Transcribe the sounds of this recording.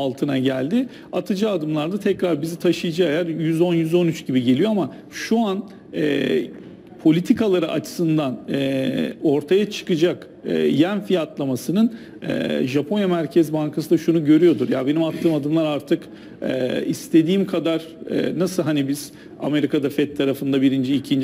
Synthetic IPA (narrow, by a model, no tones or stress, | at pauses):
alˠt̪ʰɯnaɟælʲd̪ɪ | at̪ʰɯd͡ʒaad̪ɯmlˠaɾd̪at̪ʰɛcɾaɾbizit̪ʰaʃɯjɯd͡ʒaajaɾjyzo̞njyzo̞nyt͡ʃɟibiɟe̞lʲijo̞ama | ʃuan | ɛː | pʰo̞lʲit̪ʰikalˠaɾɯʔa̰t͡ʃʰɯ̥sɯnd̪anɛo̞ɾt̪ʰajat͡ʃʰɯ̥kɯd͡ʒak | ɯ̰jænfijat̪lˠamasɯnɯn | ɛ̰ːʒapʰo̞njɛmæɾcʰɛzbaŋkʰasɯd̪aʃunuɟø̞ɾyjo̞d̪uɾjabe̞nimat̪ʰːɯːmad̪ɯmlˠaɾaɾt̪ʰɯk | ɛ̰ːist̪ʰe̞d̪iːmkʰad̪aɾ̥ɛ̰ːnasɯlˠɦanibiz̥ | a̰me̞ɾikad̪afɛt̪ʰːaɾafɯnd̪abiɾind͡ʒiicʰind͡ʒ